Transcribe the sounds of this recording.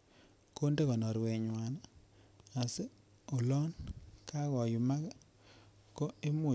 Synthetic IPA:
ko˦nde˦ɣɔ˨nɔ˨ɾwe˨ɲwa˨na˦ | a˨se˦ | o˨lɔ˦nkʰa˦ɣɔ˨ju˨ma˦ka˦ | ko˦e˦mo˨

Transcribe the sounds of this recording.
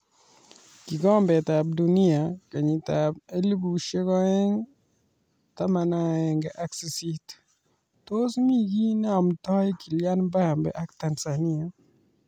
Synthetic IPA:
ki˨ɡɔ˦mbɛ˨t̪a˨b̚du˨ni˦a˨ka˨ɲi˨ta˨b̚e˦li˦bu˨ʃe˦kɔ˦ɛ˦ŋ | t̪a˦ma˨na˦ɛ˨ŋɡɛ˨ʔa˦ksi˨si˦t | to˦smi˦ɡi˦n˦a˨mtɔ˦jki˨lja˦nba˦ja˨mbɛ̰˨ʔa˦kta˨nsa˨ni˦a˨

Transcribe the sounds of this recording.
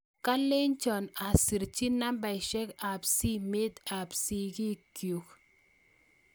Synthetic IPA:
ka˦le˦nt͡ʃɔ˨na˨si˨ɾt͡ʃi˦na˦mba˨jʃɛ˦ka˨psi˦me˦t̪a˨psi˦ɡi˦kju˨k

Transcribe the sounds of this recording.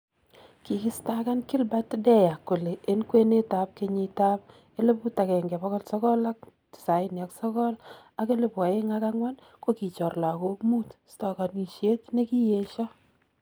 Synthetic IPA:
ki˨ki˦sta˦ka˦nkɪ˦lba˦tdɛ˦ja˨kːo˨leː˨˦nkwe˦ne˦ta˨p̚ke˦ɲi˨ta˦p̚ | e˦le˦pu˦ta˨kɛ˨ŋɡɛ˨bɔ˦ɣɔ˦lsɔ˦kɔ˦la˦k̚ | tɪ̥˨sa˨˦ɪ˦nja˨ksɔ˦kɔ˦l | a˦ke˦le˦˨pwɔ˨je˦ŋa˦ka˦ŋwa˦n | ko˦ki˨t͡ʃɔ˨rla˨ko˦mu˦tstɔ˨ka˨ni˨ʃje˦tne˦ki˦je˨˦ʃɔ˦

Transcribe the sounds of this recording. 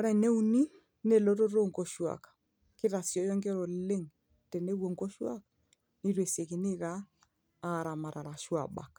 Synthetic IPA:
ɔ˦ɾɛ˨ne˦u˦ni˦ | ne˨lo˦to˦ɾo˦ŋko˨ʃwa̰˨k | kɪ˦ɾa˨sjɔ˦jɔ˦ŋke˦ɾo˨le˦ŋ | tɛ˨ne˦wo˨ŋko˦ʃwa̰˦k | ni˦ɾwe˨se˨kɪ˨nɪ˦kaː˦˨ | ɾa˨ma˨ɾa˨ɾa˨ʃwa̰˨ɓa̰˨k

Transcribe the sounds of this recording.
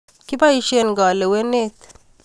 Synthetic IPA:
ki˦ba˦i˦ʃe˦nɡɔ˨le˨we˦ne˦˨t̪

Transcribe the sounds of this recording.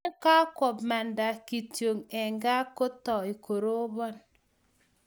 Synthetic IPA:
ka˦kwɔ˨bma˨nda˨ki˨tjo˨ŋɛ˨ŋɡa˦ko˦tɔ˨i˨ko˨ɾo˦bɔ˦n

